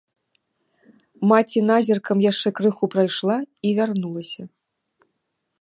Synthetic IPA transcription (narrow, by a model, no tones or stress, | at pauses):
mat͡sʲinazʲirkɐmjaʂt͡ʂɛkɾɨxupɾajʂlˠaivʲarnulˠɐsʲɐ